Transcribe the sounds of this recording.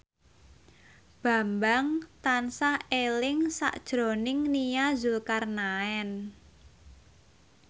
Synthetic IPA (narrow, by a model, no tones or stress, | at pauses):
b̥ä̤mbaŋt̪ansaelɪŋsa̰ʔd̥ʒ̥ɾo̤nɪŋnijazulkarnaɛn